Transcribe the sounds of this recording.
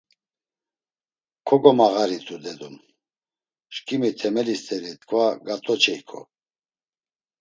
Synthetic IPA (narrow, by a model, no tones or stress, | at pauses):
kʰɔɡɔmaɣaɾit̪ʰʼud̪ɛd̪um | ʃkʰʼimit̪ʰɛmɛlist̪ʰʼɛɾit̪kʰvaɡat̪ʼɔt͡ʃʰɛikʰɔ̰